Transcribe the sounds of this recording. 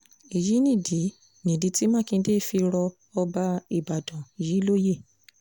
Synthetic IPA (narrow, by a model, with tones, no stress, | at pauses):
i˨ji˨˦nĩ˦˨di˨˦ | nĩ˨di˧˦ti˦mã˦kĩ˧˦de˦˨fi˧ɾɔ˧ | ɔ˧ba˧i˨ba˨dɔ̃˨i˨ji˨˦lo˦je˦˨